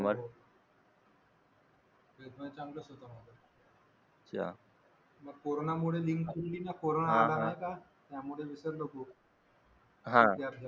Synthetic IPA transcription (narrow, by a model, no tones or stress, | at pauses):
məɾɦo | ʋed̪ʋat͡ɕaŋɡləːsɦot̪amad̪ə | t͡ɕa̰ | məɡ̚koɾonamuɭeliŋɡkulinakoɾonaalaɾaɦekat̪jamuɭeʋisəɾloko | ɦãt̪jaɾd͡ʑa